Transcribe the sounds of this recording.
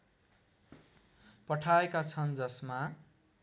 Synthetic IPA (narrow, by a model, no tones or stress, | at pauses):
pʌʈʰaekat͡sʰʌnd͡zʌsma